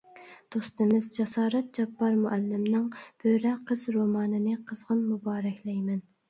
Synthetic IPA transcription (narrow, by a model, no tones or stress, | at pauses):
d̪̥ost̪ɨmɪzd͡ʒɑsɑːɾɛt̪̚d͡ʒɑbːɑɾmuʔælːɪmnɨŋb̥øɾɛqʰəzɾomɑːnɨnɨqʰəzʁənmubɑːɾɛkʲlɛjmɛn